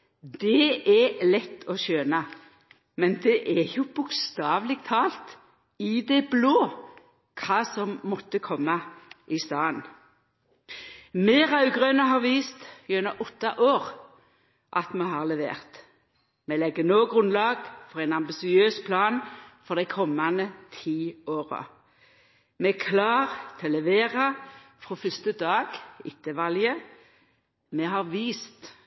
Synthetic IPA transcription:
d̪ɛɛlɛt̪ːɔʃøːnɑ | mɛnd̪ɛʔɛjʊb̥ʊkst̪ɑːʋlɪɡ̚t̪ʰɑːlt̪ | ɪd̪ɛbloː | kʰɑːsɔmmɔt̪ːəkʰɔmːɑɪst̪ɑːən | meːʁɑʉɡʁøːnəɦɑːʁʋiːst̪jʉnəʔɔt̪ːɑʔoːʁ | ʔɑt̪meːɦɑʁlɛʋḛːʁt̪ | meːlɛɡənoːɡʁʉnlɑːɡfɔʁæɪnɑmbɪsɪøːspʰlɑːnfɔʁd̪æɪkʰɔmːɑnət̪ʰiːoːʁɑ̰ | mekʰlɑːʁt̪ʰɛlɛʋeːʁɑfʁoːfʏst̪əd̪ɑːɡɪt̪ʰːəʋɑljə | meːɦɑːʁʋiːst̪

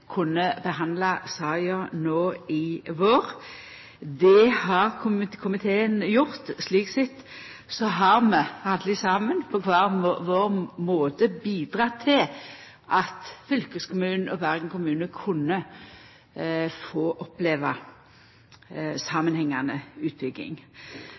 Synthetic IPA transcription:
kʰʊnːəbəɦɑnd̪lɑsɑːjɑnoːɪʋoːʁ | d̪ɛhɑʁkʰʊmkʰʊmɪt̪ʰeːənjʊʁt̪sliːksɪt̪ː | sɔɦɑʁmɛɑd̪lɪsɑːmənpʰɔkʰʋɑːʁʋoːʁmoːt̪əbiːd̪ʁɑːt̪ʰɪl | ʔɑt̪fʏlkəskʰʊmʉːnn̩ɔbæʁɡŋ̩kʊmʉːnəkʰʊnːə | foːʔɔpleːʋɑ | sɑmənhɛŋːɑnəʉːt̪̚bʏɡːɪ̰ŋ

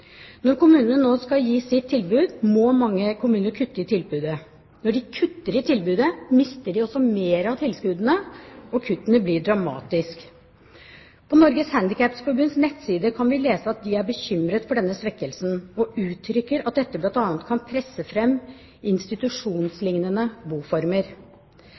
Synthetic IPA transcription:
nɔɾkʊmʉːnənənoːskɑljiːsɪt̪ʰːɪlbʉːd̪mɔmɑŋːəkʰʊmʉːnəɾkʰʉt̪ːəɪt̪ʰɪlbʉːd̪ə | nɔɖɪkʰʉt̪ːəɾɪt̪ʰɪlbʉːd̪əmɪst̪əɖɪɔsɔmeːɾɑʋt̪ʰɪlskʉːd̪ənəɔkʰʉt̪ːənəblɪɖɾɑmɑ̰ːt̪ɪsk | pʰɔnɔɾɡəshænd̪ɪkʰæpsfɔɾbʉnsnɛt̪ːsiːd̪əkʰɑnʋɪleːsəɑt̪̚d̪ɪæɾbəçʏmɾət̪fɔɖɛnːəsʋɛkːəlsnɔʔʉːt̪ʰɾʏkːəɾɑt̪̚d̪ɛt̪ːəblɑnt̪ɑːnət̪̚kʰɑnpʰɾɛsːəfɾɛmː | ɪnst̪ɪt̪ʉʂuːnslɪŋnənəbuːfɔɾməɾ

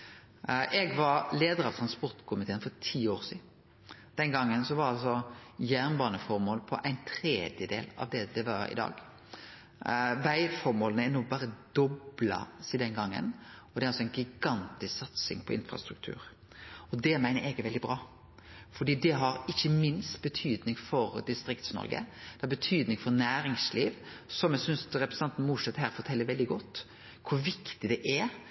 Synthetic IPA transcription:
ʔɛɡʋɑɾleːd̪əɾɑʋt̪ʰɾɑnspɔɾt̪kʰʊmɪt̪ʰeːənfɔɾt̪ʰiːoːɾsiːd̪ | d̪̥ɛnɡɑŋːənsɔʋɑɾɑlsɔjæːʁnbɑːnəfɔɾmoːlpʰɔʔæɪnt̪ʰɾeːd̪jəd̪ḛːlɑ̰ʋd̪ɛd̪ɛʋɑɾɪ̰d̪ɑ̰ːɡ | ʋæɪfɔɾmoːlnəɛnuːbɑːɾəd̪ɔblɑ̰siːd̪ɛnɡɑŋːə̰nɔd̪ɛæɾɑlsɔæɪnɡɪɡɑnt̪ɪsksɑt̪sɪ̰ŋpʰɔɪ̰nfɾɑ̰st̪ɾʉk̚t̪ʰʉ̰ːɾ | ɔd̪ɛmæɪnəɾɛɡəɾʋɛld̪ɪbɾɑː | fɔɖ̪iːd̪ɛɦɑɾɪçːəmɪnst̪̚bət̪ʰyːd̪nɪŋfɔɾd̪ɪst̪ɾɪkt̪snɔ̰ɾɡə̰d̪̥ɛhɑɾbət̪ʰyːd̪nɪŋfɔɾnæːɾɪŋsliːʋ | sɔmjɛɡsʏnsɾɛpɾəsɑnt̪n̩mʊʂɛt̪ːhæːɾfɔtʰɛlːəɾʋɛld̪ɪɡɔt̪ː | kʰʊʋɪkt̪ɪd̪ɛʔɛ

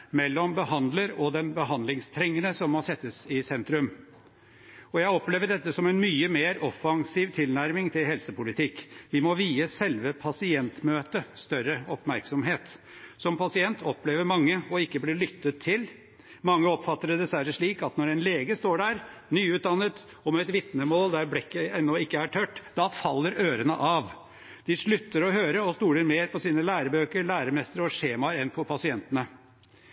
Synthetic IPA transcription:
mɛlːɔmbəhɑnd̪ləɾɔd̪ɛnbəɦɑnd̪lɪŋst̪ʰɾɛŋːənəsɔmːɔsɛt̪ːəsɪsɛnt̪ɾʉm | ɔjæɪɔpleːʋəɖɛt̪ːəsɔmɛnmyːəmeːɾɔfɑŋsiːʋt̪ʰɪlnæɾmɪŋt̪ʰɪlhɛlsəpʊlɪt̪ʰɪkːʋɪmɔʋiːəsɛlʋəpʰɑsɪɛnt̪møːt̪əst̪œɾːəɔpmæɾksɔmɦeːt̪ | sɔmpʰɑsɪɛnt̪ʰɔpleːʋəɾmɑŋːəɔɪkːəblɪɭʏt̪ːət̪ʰːɪl | mɑŋːəɔpfɑt̪ːəɾɛd̪ɛsʋæɾːəʂɭiːkɑt̪nɔɾɛnleːɡəst̪oːɖæɾnyːʉːt̪̚d̪ɑnːət̪ | ɔmɛɛt̪ʋɪt̪nəmoːld̪æɾblɪkːəɛnːɔɪkːəæʈʰœʈːd̪ɑfɑlːəɾøːɾənəʔɑʋ | d̪̥ɪʂɭʉt̪ːəɾɔɦøːɾəɔst̪uːləɾmeːɾpʰɔsiːnəlæːɾəbøːkəɾɭæːɾəmɛst̪əɾɔʂeːmɑɾɛnpʰɔpʰɑsɪɛnt̪ənə

